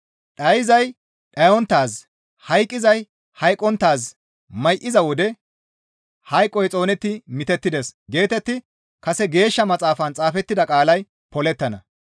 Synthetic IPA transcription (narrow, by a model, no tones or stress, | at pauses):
ɗɐjɪzɐj | ᶑɐjɔnt̪ːaːs | hɐjkʼːɪzɐj | hɐjkʼːɔnt̪ːaːs | mɐjʔɪzɐwɔd̪ɛ | hɐjkʼːɔjt͡sʼo̞ːnɛt̪ːɪmɪt̪ɛt̪ːɪd̪ɛsɡe̞ːt̪ɛt̪ːɪ | kɐsɛɡe̞ːʃːɐmɐt͡sʼaːfɐnt͡sʼaːfɛt̪ːɪd̪ɐkʼaːlɐj | pɔlɛt̪ːɐnɐ